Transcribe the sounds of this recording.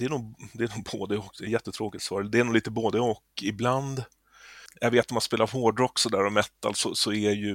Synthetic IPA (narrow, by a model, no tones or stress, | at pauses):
d̪̥ɛːɳuːɡd̪ɛænuːɡ̚boːd̪əɔk̚d̪ɛjɛt̪ːət̪ʰɾoːkɪt̪sɑːɾəd̪ɛæːnuːɡliːt̪əboːd̪əɔkɪbland̪ | javeːt̪nɔmanspeːlaɾɦoːɖɾɔksɔd̪æːɾɔmɛt̪ːa̰lsɔsɔæjɵ